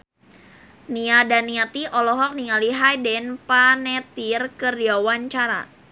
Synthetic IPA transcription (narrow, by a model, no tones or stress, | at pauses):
niadaniat̪iʔɔlɔɦɔk̚niŋaliɦajdɛnpanɛt̪irkərdiawaɲt͡ʃaɾa̰